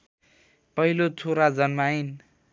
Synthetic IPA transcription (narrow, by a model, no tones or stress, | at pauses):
pʌilot͡sʰoɾad͡zʌnmain